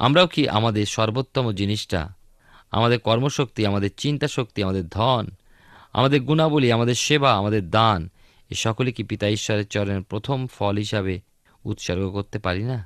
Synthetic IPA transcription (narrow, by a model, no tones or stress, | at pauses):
a̰mɾaokiʔa̰mad̪eɾʃɔɾbot̪ːomod͡ʑiniʃʈa̰ | a̰mad̪eɾkɔɾmoʃok̚t̪iamad̪eɾt͡ɕint̪aʃok̚t̪iamad̪eɾd̪ʱɔn | a̰mad̪eɾɡunabuliamad̪eɾʃebaamad̪eɾd̪an | ḛʃɔkolikipit̪aiʃːɔɾeɾt͡ɕɔɾoneɾpɾot̪ʰomfɔlɦiʃabe | ṵt̪ʃɔɾɡokoɾt̪epaɾina